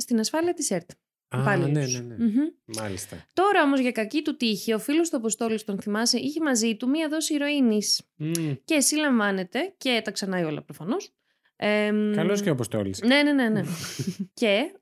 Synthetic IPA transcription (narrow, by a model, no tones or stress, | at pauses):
st̪inɐsfɐliɐt̪iseɾt̪ː | pɐlit̪usn̩çm̩mɐlist̪ɐ̰t̪o̞ɾɐo̞mo̞zʝɐkɐcit̪ut̪içiɐofilost̪uɐpo̞st̪o̞list̪o̞nθimɐseʔiçemɐzit̪umiɐðo̞siːɾo̞inisce̞ːsilɐɱvɐne̞t̪e̞ce̞t̪ɐksɐnɐio̞lɐ̰pɾofɐno̞s | ekɐlosceɐpost̪o̰lḭsne̞ne̞nenece̞